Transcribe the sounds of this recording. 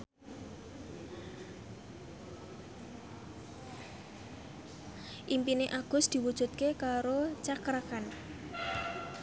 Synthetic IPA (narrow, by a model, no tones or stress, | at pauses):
ʔimpineʔaɡ̥ʊ̤sd̪̥i̤wud̥ʒ̥ṳt̪̚kekaɾot͡ʃakɾakan